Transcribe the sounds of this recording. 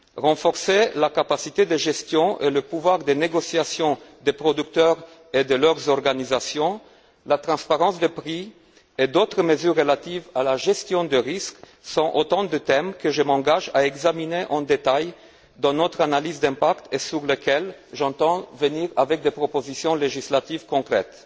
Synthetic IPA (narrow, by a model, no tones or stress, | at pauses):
ʁɑ̃fɔʁselakapasit̪ed̪əʒɛst̪jɔ̃ʔeləpuvwaʁd̪eneɡosjasjɔ̃d̪epχɔd̪yk̚t̪œʁ | ed̪əlœʁzɔʁɡanizasjɔ̃ | lat̪χɑ̃spaʁɑ̃sd̪əpχi | ed̪ot̪χəməzyʁːəlat̪ivalaʒɛst̪jɔ̃d̪əʁisk | sɔ̃ʔot̪ɑ̃d̪ət̪ɛmkəʒəmɑ̃ɡaʒaɛɡzamineʔɑ̃d̪et̪aj | d̪ɑ̃nɔt̪χanalizd̪ɛ̃pakt̪esyʁləkɛlʒɑ̃t̪ɑ̃vəniʁa̰vɛk̚d̪epχɔpozisjɔ̃leʒislat̪ivkɔ̃kχɛ̰t̪